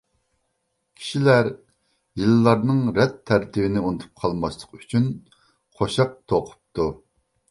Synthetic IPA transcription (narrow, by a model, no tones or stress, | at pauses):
kʲʰi̥ʃilæɾ | jilːˠɑɾnɨŋɾɛt̪ʰːæɾt̪ʰɪbɪnɪunɨt̪ʰu̥p̚qʰɑlˠmɑslˠəqy̥t͡ʃʰyn | qʰoʃɑq̚t̪ʰoqʰʊ̥p̚t̪ʰu